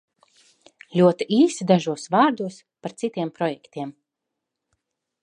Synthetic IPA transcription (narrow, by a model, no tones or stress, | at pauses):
lʲuɔt̪iʔiːsid̪aʒuɔsvaːɾd̪uɔs | paɾt̪sit̪ʲiɛmpɾɔjɛkt̪ʲiɛm